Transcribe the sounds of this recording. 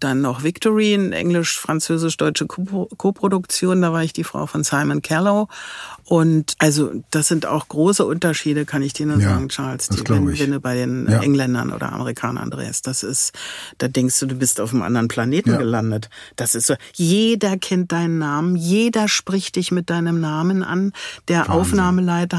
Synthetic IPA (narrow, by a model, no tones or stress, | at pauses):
d̥anːɔχv̥ɪktʰɔʁiːnʔɛ̰ŋlɪʃfʁ̥ant͡søːzɪʃd̥ɔʏt͡ʃəkʰoːpʁ̥odʊkt͡sjoːndaːvaːɐɪçd̥iːfʁ̥a̰ʊfɔnsaɪmənkʰɛloʔʊntʔalzo̰d̥asz̥ɪnta̰ʊxɡ̥ʁoːsəʔʊntɐʃiːdəkʰanɪçd̥iːɐnuɐzaːɡŋ̩t͡ʃaɐlsḭɛnvɛnduːbaɪdeːnʔɛŋlɛndɐ̰nʔo̰ːdɐ̰ʔa̰məʁikʰaːnɐ̰a̰ndʁḛːstd̥asɪsd̥aːdɛŋkstd̥uːduːbɪstaʊfmʔa̰ndɐʁənpʰl̥aneːtn̩ɡəlandətd̥asɪstz̥oːjeːdɐkʰɛnt̚d̥aɪnənːaːmənjeːdɐʃpʁ̥ɪçt̚d̥ɪçmɪt̚d̥aɪnəmnaːmənʔa̰nd̥eːɐʔa̰ʊfnaːməlaɪtɐ